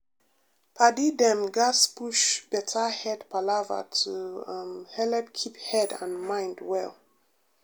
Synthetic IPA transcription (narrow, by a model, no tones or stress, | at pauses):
pʰadidɛ̃mɡaspʰuʃb̥ɛtʰəhɛdpʰalavə̰tʰumhɛlɛpkʰiphɛdã̰nmãɪ̃ndwɛl